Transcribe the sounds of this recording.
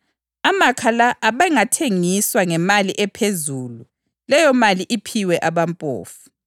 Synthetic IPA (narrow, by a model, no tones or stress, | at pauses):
amakʰalaʔːβaŋatʰeŋiswaŋɛmaliʔɛpʰezuːlu | lɛjɔmaliʔipʰiwɛʔaβampʼo̰ːfu̥